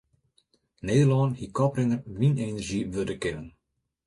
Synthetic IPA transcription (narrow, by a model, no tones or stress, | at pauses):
neːdəlɔːnhikɔprɪnərʋinenərʒiʋødəkɪnən